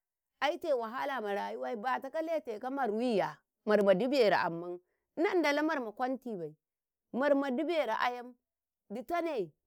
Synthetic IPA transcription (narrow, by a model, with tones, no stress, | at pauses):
a˦i˦te˨wa˨ɦa˦la˨ma˨ɾa˨ju˦wa˦i˦ba˨ta˨˦ka˦le˦te˨ka˦ma˨ɾwi˦ja˨ | ma˨ɾma˨di˦bje˨ɾa̰˨ʔa̰˨mːa˦n˦ | na˦n˦da˨la˦ma˦ɾma˨kʷa˦nti˦˨ba˨i˨ | ma˨ɾma˨di˦be˨ɾa̰˨ʔa̰˦ja˦m | di˨ta˦ne˨